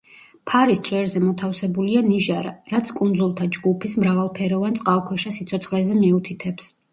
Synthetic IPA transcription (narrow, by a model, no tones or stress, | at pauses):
pʰaɾist̪sʼʰwɛɾzɛmɔt̪ʰafsɛbulianiʒaɾaɾat̪sʰkʼund̪zulˠt̪ʰad͡ʒɡupʰismɾavalˠpʰɛɾɔvant̪sʼqʼalˠkʰwɛʃasit̪sʰɔt̪sχlɛzɛmiut̪ʰit̪ʰɛps